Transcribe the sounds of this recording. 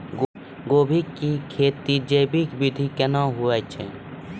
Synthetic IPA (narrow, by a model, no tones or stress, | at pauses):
ɡ | ɡoːbʱikːikʰeːt̪id͡ʒəːbikbɪd̪ʱikɛnaɦʊɛt͡ʃʰɛ